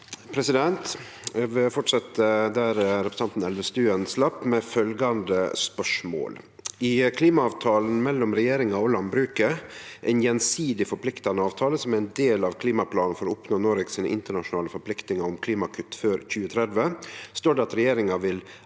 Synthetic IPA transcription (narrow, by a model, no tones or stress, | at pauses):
pʰɾɛsɪd̪ɛnt̪ | ʋɛfɔʈʂɑt̪əd̪æɾɾɛpɾəsɑnt̪n̩ɛlʋəst̪ʉːənslɑpːmɛfœlɡɑnd̪ə̰spœʂmo̰ːl | ɪkʰliːmɑɑːʋt̪ʰɑːln̩mɛlːɔmɾɛjeːɾɪŋɑolɑnbɾʉːkəɾʔæɪnjɛnsiːd̪ɪfɔɾpʰlɪkt̪ɑnəɑːʋt̪ʰɑːləsɔmæɾɛnd̪eːlɑʋkʰliːmɑpʰlɑːnn̩fɔɾɔʊpnoːnoːɾɛɡsiːnəʔɪnt̪əɳɑʂʊnɑːləfɔɾpʰlɪkt̪nɪŋɑɾʊmkʰliːmɑkʰʏt̪ːføːɾc͡çʉːət̪ʰɾɛd̪ʋəst̪oːɖɛɑt̪ɾɛjeːɾɪŋɑʋɪl